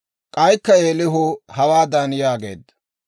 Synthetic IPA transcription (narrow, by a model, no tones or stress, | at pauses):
kʼɐjkːɐeːlɪɦʊhɐwaːd̪ɐnjaːɡe̞̰ːd̪ːɐ̥